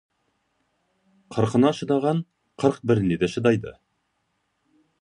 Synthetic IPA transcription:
qʰɤ̆ɾqɤ̆nɑʃɤ̆d̪ɑʁɑɴ | qɤɾq̚bɘɾniðæʃɤ̆d̪ɑjd̪ɤ̰

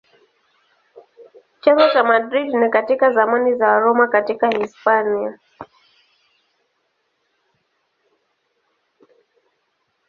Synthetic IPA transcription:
t͡ʃaŋɡɔt͡ʃamadɾidnakatikazamanizaɾɔmakatikahispania

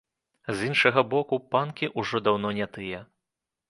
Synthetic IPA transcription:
zʲinʂɐɣɐbɔkupankʲiʔuʐɔd̪awnɔnʲat̪ɨjɛ

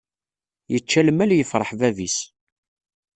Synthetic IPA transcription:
jət͡ʃːælmæljəfɾˤəħvævis

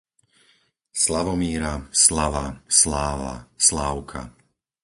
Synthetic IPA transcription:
slaʋɔmiːɾaslaʋaslaːʋa̰slaːʊkʰa̰

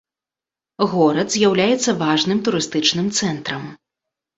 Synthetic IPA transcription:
ɣɔɾɐd̪zʲjawlʲajɛt̪sːɐvaʐnɨmt̪uɾɨst̪ɨt͡ʂnɨmt̪sɛnt̪ɾɐm

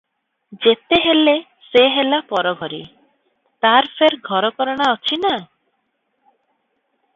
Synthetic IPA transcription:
d͡ʒet̪eɦele | seɦelapɔɾɔɡʱɔɾḭ | t̪aɾpʰeɾɡʱɔɾɔkɔɾɔɽ̃aɔt͡ʃʰina

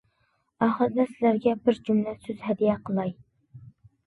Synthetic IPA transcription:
ɑχəɾɨd̪ɛsɪlæɾɡʲɛbɪɾd͡ʒumlɛsøzhɛd̪ijɛqʰəlˠɑj

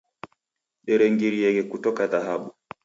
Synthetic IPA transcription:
ɗɛɾeŋɡiɾijɛɡɛkutɔkaðaɦaɓɔ

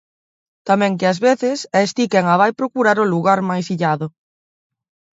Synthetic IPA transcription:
t̪amɛ̃ŋkɪazβeθɪsɛest̪ikɛŋaβ̞ajpɾokuɾaɾʊluɣaɾmajsiʎaðʊ

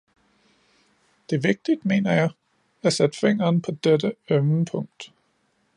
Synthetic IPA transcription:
d̥e̝ʋe̝ɡ̥̚d̥id̥me̝̰ːnɐjɑ̈ɪ | æsed̥feŋ̰ɐːnpʰɒ̽d̥ed̥əemnəpʰɔ̽ŋ̰d̥

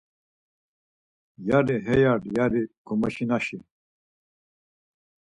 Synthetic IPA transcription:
jaɾiɦejaɖjaɾikumɐɕinaɕi

